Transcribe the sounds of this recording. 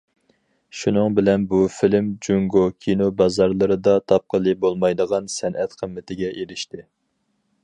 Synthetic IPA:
ʃunɨŋbɪlɛnbufɪlɪmd͡ʒuŋɡokʲʰinobɑzɑɾlˠɨɾɨd̪ɑt̪ʰɑp̚qʰəlˠɨbolˠmɑjd̪əʁɑnsɛnʔɛt̪qʰəmːɪt̪ʰɪɡʲɛʔeɾɪʃt̪ɪ

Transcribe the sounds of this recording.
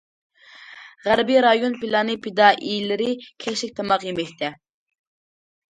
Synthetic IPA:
ʁæɾbiɾɑjonpilˠɑnɨpʰed̪ɑʔilɪɾɪkʲʰɛʃlɪkʲt̪ʰɑmɑqjemɛk̚ʲt̪ʰɛ

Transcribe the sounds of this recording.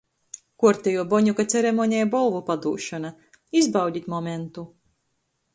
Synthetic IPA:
kuɔɾt̪ʲɛjuɔbɔɲukat̪sɛɾemɔɲʲɛjbɔlˠvupad̪uːʃɔna | izbawdʲit̪ʲmɔment̪u

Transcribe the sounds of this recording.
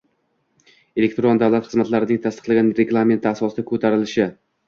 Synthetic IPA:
e̞le̞k̚ʲt̪ɾond̪avwlˠat̪χɨzmat̪laɾɪd̪aɡʲat̪ʰast̪ɨ̥qlˠaɡʲanɾeɡlˠame̞nt̪ʰɪasɒsɪd̪akʰɵt̪ʰaɾɪlɪʃɪ

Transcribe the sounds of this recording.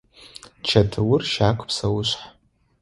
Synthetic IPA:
t͡ʃʰatʰɨwʊrʃaːkʷʰʼpʰsawʊʃʷħ

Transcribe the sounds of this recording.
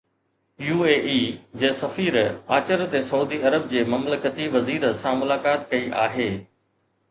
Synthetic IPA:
juːeːʔiːd͡ʑeːsɐfiːɾaːt͡ɕəɾt̪esɐuːd̪iɐɾəb̚d͡ʑeːmɐmləkət̪iʋɐziːɾsãmʊlaːkaːt̪kɐiʔaːɦeː

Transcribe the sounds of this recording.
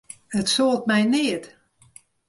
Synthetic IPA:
ətsoːlˠt̚mɛjnɪət

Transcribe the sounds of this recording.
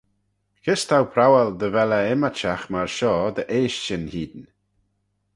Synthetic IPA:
kʰɪst̪ʰawpʰɾawɛld̪əvɛləɪmat͡ʃaxmaɹʃɔːd̪əʔeːʃt͡ʃənhiːd̪n

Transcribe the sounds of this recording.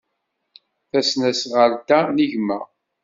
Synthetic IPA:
θæsnæsʁəɾt̪æniʝmæ

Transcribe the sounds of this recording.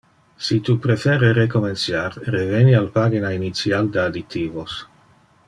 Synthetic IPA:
sit̪upɾefeːɾeɾekomensjaɾrevenialpaɡinainit̪sjald̪ead̪it̪iːvos

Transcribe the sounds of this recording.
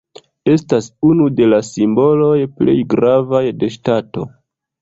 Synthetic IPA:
e̞stasunude̞lasimbo̞lo̞jple̞̰jɡɾavajde̞ʃtato̞

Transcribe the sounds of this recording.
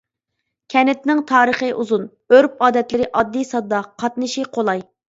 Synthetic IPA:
kʲʰɛnɪt̪nɪŋt̪ʰɑːɾəχəʔuzun | øɾp̚ɑːd̪ɛt̪lɪɾɪʔɑd̪ːisɑd̪ɑqʰɑt̪nɨʃiqʰolˠɑj

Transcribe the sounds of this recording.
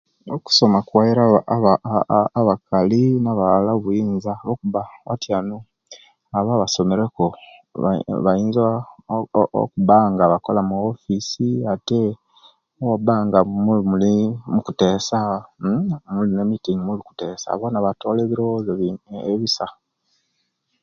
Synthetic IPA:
oku̥so̞makuwajiɾaβaaβakalinaβalaβujiːnzaβokuβawa̰tjanu | aβaːβaso̞me̞ɾe̞koββajiːnza | o̰kuβaŋɡaβako̞lamuofisiate | wabaŋɡamumulimukute̞ːsa | mulinemitiŋɡimuliku̥te̞ːsa̰βo̞naβato̞ːleβiɾozeeβisa

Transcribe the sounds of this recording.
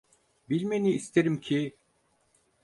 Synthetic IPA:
bilʲmeniːst̪ʰeɾimcʰi

